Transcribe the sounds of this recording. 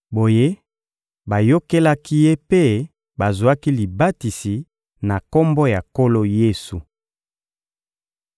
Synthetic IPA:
bo˨je˦ | ba˨jo˦ke˦la˦ki˦je˦pe˦ | ba˨zu˨a˦ki˦li˨ba˦ti˨si˨ | na˨ko˦mbɔ˦ja˨ko˦lo˦je˦su˨

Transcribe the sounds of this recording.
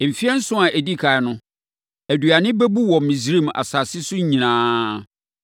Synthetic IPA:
fi˦ɛ˦n̩˦sʊ̃˦a˨ʔæ˨di˦kʰa˨ɛ˨˦nʊ̃˦ | æ˨du˨a˨nɪ̃˦bɛ˦bu˦wɔ˨mĩ˨s̬ɾĩ˦˨ma̰˨sa˨sɪ˦sʊ˦ɲ˦ɲĩ˨nãː˦

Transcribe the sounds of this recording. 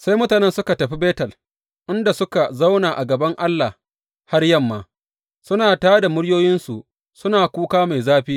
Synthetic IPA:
sa˦jmʊ˦taː˨nɛ˦nsʊ˦ka˨tɐ˨ɸi˦beː˦tɐ˨l | ʔɪ˦nda˨sʊ˦ka˨za˦wnaː˨ʔa˨ɡɐ˨bɐ˦ŋʔa˦lːa˨ | ha˦rjɐ˦mːaː˨ | sʊ˦naː˨taː˦da˨mʊ˦ɽjoː˦jɪ˦nsu˨ʔ | sʊ˦naː˨kʷuː˦kaː˦ma˨jzaː˦ɸiː˦

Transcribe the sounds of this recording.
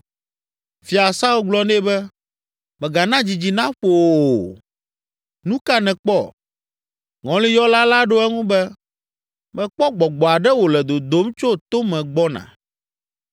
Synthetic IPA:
fi˨a˨sa˦wo˦ɡ͡blɔ˦ne˦bɛ˦ | mɛ̃˨ɡa˨nã˦d͡ʑi˨d͡ʑi˨nã˦ɸo˨ | nũ˦ka˦nɛ̃˨k͡pɔ˦˨ | ŋɔ̃˨˦li˦jɔ˦la˦la˦ɖo˦ɛ˦ŋũ˦bɛ˦ | mɛ̃˨k͡pɔ˦ɡ͡bɔ˨ɡ͡bɔ˨a˨ɖɛ˦wo˨lɛ˨d̪o˨d̪o˦mt͡ʃo˦t̪o˦mɛ̃˨ɡ͡bɔ˦nã̰˨

